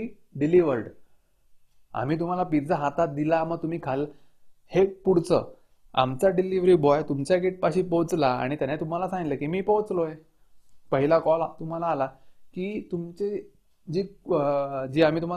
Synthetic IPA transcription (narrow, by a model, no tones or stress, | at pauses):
i | ɖiliʋəɾɖ | a̰m̤iːt̪̬um̤alapiɾd͡zaɦat̪at̪̚d̪ilaməɡt̪um̤iːkʰal | hepuɽ̤t͡sə̰ | a̰mt͡saɖiliʋɾiːbɔjt̪umt͡ɕjaɡeʈ̚paɕiːpowt͡slaa̰ɽ̃it̪janat̪um̤alasãŋɡiləkiːmiːpəwt͡sloje | pəɦilakɔlat̪um̤alaːlakiːt̪umt͡ɕe | d͡ʑiː | d͡ʑiːam̤it̪um̤a